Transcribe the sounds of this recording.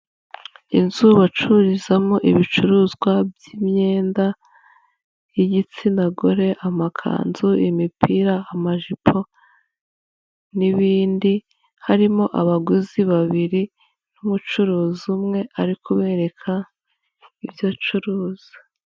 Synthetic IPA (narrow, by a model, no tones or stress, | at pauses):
inzuβat͡ʃuɾizamoʔiβit͡ʃuɾuːzɡwabjimɲe̞ːnda | iɟit͡sinaɡoɾe̞ʔamakʰa̰ːnzuimipʰiːɾaːmaʒipʰo̞ | niβiːndi | haɾimoʔaβaɡuziβaβiɾi | numut͡ʃuɾuːzumŋe̞ʔaɾikʰuβe̞ːɾe̞kʰa | ibjot͡ʃuɾuːz̥i̥